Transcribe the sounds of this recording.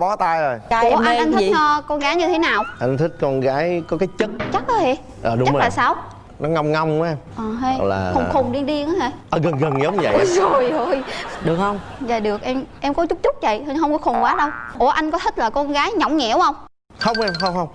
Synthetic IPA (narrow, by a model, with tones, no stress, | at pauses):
ɓɔ˨˦t̪aː˧jzo˨˩jo˨˧˩ʔa˧ŋʔa˧nt̪ʰï˦˥˨t͡ɕɔ˧kɔ˧nɣaː˨˦jɲɨ˧e˨˦naː˨˩wʔa˧jŋt̪ʰï˦˥k̟̚kɔ˧nɣaː˨˦jkɔ˨˦kaː˨˦jt͡ɕə˦˥t̚t͡ɕa˦˥k̚ʔəː˨˦e˧˩ | ʔəː˨˩ɗʊ˨˦t͡ɕŋ͡mə˧klaː˨˩saː˧w | nɔ˨˦ŋa˧wŋ͡mŋa˧wŋ͡ma˧ʔəː˨˩ɦə˧jla̰ː˨˩ə˧˩xʊ˨˩ŋ͡mɗi˧ənɗi˧əŋʔaː˨˦ha˨˩jʔəː˨˩ɣə˨˩nɣə˨˩nɲə˨˦wŋ͡mɲ˧ə̰˧˨jzo˨˩jzo˨˩jɗɨ˨˩ək̚hə˧wŋ͡m | zaː˨˩jɗɨ˨˩ək̚ʔɛ˧mʔɛ˧mkɔ˨˦t͡ɕʊ˦˥k͡p̚t͡ɕʊ˦˥k͡p̚və̰˧˨jhə˧ɦə˧wŋ͡mkɔ˨˦xo˨˩ŋ͡mkwaː˨˦ɗə˧wʔo˨˩˦ʔa˧jŋ̟kɔ˨˦t̪ʰï˦˥k̚laː˨˩kɔ˧nɣaː˨˦jɲɔ˨˧˩wŋ͡mŋɛ̰˧˩whə˧wŋ͡m | xə˧wŋ͡mʔɛ˧mxə˧wŋ͡mxə˧wŋ͡m